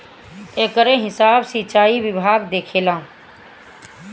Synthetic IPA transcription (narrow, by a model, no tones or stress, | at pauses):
eːkəɾẽɦɪsaːbsiːt͡ʃaːiʋɪbʱaːɡd̪eːkʰeːlãː